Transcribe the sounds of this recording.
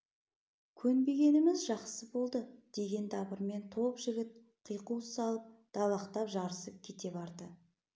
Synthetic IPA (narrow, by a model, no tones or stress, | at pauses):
kʲʰɵnbe̞ɡʲe̞nɪmɪzʒɑqsəbo̞lˠd̪əd̪̥e̞ɡʲe̞nd̪ɑbəɾme̞nt̪ʰo̞pʒɪɡʲɪt̪̚ | qʰijqusɑlˠəp̚d̪̥ɑlˠɑqt̪ɑpʒɑɾəsəp̚kʲʰe̞t̪e̞bɑɾd̪ə